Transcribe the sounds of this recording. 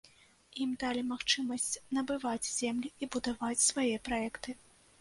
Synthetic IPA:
imd̪alʲimaxt͡ʂɨmɐsʲt͡sʲnɐbɨvad͡zʲz̥ʲɛmlʲiibud̪avat͡sʲsvajɛpɾaɛkt̪ɨ

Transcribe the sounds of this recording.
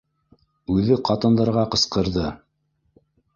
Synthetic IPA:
ʉðɘqɑt̪ɤ̆nd̪ɑɾʁɑqɤ̆sqɤ̆ɾðɤ

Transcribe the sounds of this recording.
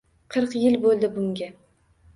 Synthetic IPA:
qʰɨɾqjɪlbolˠd̪ɪbʊŋɡʲa

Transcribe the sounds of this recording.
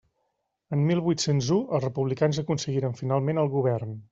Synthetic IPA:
ənmilˠβujt̪senzuəlˠzrəpuβlikanzəkunsəɣiɾəɱfinalˠmenəlˠɣuβ̞ɛrn

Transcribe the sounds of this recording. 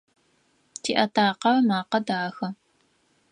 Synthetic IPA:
tʰiːʔɐtʰaːqɐrɐmaːqɐdaːxɐ

